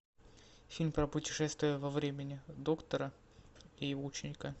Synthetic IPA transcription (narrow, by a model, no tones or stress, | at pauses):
fʲilʲmʲpɾəpʊtʲɪ̥ʂɛst̪vʲɪjʊvɐvɾʲemʲɪnʲɪd̪o̞kt̪əɾə | ɪjɪvoʊt͡ɕɪnʲɪka